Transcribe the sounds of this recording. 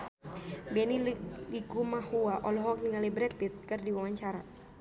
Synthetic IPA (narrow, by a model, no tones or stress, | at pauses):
bɛnilikumahuaʔɔlɔɦɔk̚niŋalibɾɛt̪̚bit̪̚kɨrdiwawaɲt͡ʃaɾa